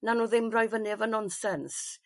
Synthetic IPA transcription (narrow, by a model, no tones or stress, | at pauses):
nanuːðɪmrɔjvənɨvənɔnsɛns